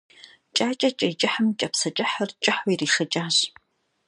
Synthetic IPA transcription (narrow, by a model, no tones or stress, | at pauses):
t͡ʃʼaːt͡ʃʼɐt͡ʃʼɐjt͡ʃʼɪħəmt͡ʃʼɐpsɐt͡ʃʼɪħɐrt͡ʃʼɪħwɔiriːxɐt͡ʃʼaːɕ